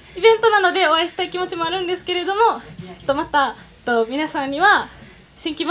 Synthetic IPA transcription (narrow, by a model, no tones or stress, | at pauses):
ibẽ̞nt̪o̞nano̞d̪e̞o̞βaiɕi̥t̪aikʲimo̞t͡ɕimo̞aɾɯ̟̃nd̪e̞sɨ̥ke̞ɾe̞d̪o̞mo̞t̪ːomat̪a | t̪omʲinasãɲ̟ːiβa | ɕĩŋkʲima